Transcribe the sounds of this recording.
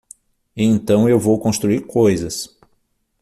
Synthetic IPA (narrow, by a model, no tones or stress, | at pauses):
ɪẽnt̪ɐ̃w̃ewvowkõst̪ɾuiɾkojzɐs